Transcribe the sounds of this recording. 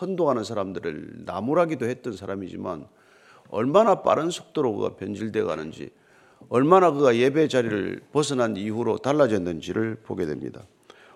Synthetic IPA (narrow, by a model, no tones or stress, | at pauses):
ʌndoɦanɯnsʰaɾamdɯɾɯ̰ɭna̰muɾɦaɡidohe̞t̚t͈ʌnsʰaɾamid͡ʑḭma̰n | ʌ̰ɭmanap͈a̰ɾɯnsʰo̥k̚t͈oɾobo̰ɡa̰pjʌnd͡ʑiɭde̞ɡa̰nɯnd͡ʑḭ | ʌɭmanakɯɡaje̞be̞d͡ʑaɾiɾɯ̰ɭpʌsʰɯnɦaniuɾotaɭːad͡ʑendɯnd͡ʑiɾɯɭpoɡe̞dwe̞̰mɲḭda